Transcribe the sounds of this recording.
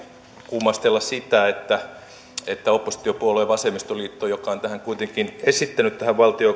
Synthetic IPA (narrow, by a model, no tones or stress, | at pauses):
kumːɑst̪elːɑssit̪æet̪ːæ | et̪ːæopːosi̥t̪ːiopuoleːʋɑsemist̪oliːt̪ːoːjokːˑɑont̪æhæŋkuit̪eŋkinesit̪ːænyt̪t̪æhæʋʋɑlt̪io